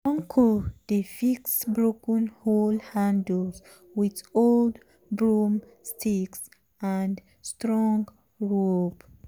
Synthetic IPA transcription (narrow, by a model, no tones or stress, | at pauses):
ɔ̃ŋkʰɔdəfiksbɹokə̃nholhãnds | witold | bɹum | stʰiks | ãnd | stɹɔ̃ŋɡ | ɹob